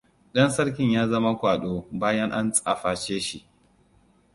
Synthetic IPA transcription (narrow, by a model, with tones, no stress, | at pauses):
ɗɐ˦nsɐ˦rk̬ʲɪ˨ɲjaː˦zɐ˦ma˦kʷaː˨ɗoː˦baː˦jɐ˦ŋʔa˦nt͡sʼa˨ɸaː˨t͡ʃeː˦ʃi˨ʔ